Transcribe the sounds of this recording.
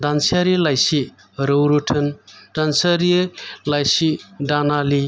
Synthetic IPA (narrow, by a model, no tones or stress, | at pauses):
d̪ansaɾilajsi | ɾowɾuʈʰəndansɐɾilajsiɖanali